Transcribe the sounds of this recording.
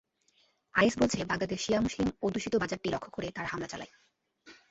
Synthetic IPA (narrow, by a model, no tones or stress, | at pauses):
ajesbolt͡ɕʰebaŋlad̪eʃijamuslimod̪uʃit̪obad͡ʑaɾ̚ʈilɔkʰːokoɾet̪aɾɦamlat͡ɕa̰la̰j